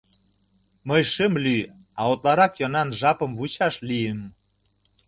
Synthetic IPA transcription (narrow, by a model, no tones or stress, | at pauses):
məjʃəmly | ɑot̪lɑɾɑkjonɑnʒɑpə̆mvut͡ɕɑʃlijəm